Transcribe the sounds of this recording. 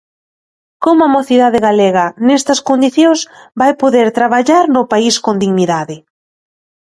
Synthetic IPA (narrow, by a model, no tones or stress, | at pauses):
komʊɐmoθiðaðɪɣaleɣɐnɛst̪ɐskond̪iθjõsbajpoðeɾt̪ɾaβaʎaɾnʊpaiskond̪iɣniðaðɪ